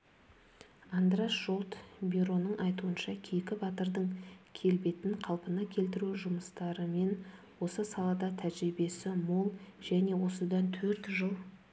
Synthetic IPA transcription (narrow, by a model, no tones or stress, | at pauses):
ɑnd̪ɾɑsʒo̞lˠt̪biɾo̞nəɴʔɑjt̪uənʃɑkʲʰejkʲɪbɑt̪əɾd̪əɴkʲʰe̞lbe̞t̪ɪɴqʰɑlˠpənɑkʲʰe̞lt̪̬ɪɾuʒʊməst̪ɑɾəme̞n | wo̞səsɑlˠɑd̪ɑt̪ʰæʒɾibe̞sɪmo̞lˠʒæne̞wo̞səd̪ɑnt̪ʰɵɾt̪ʒəlˠ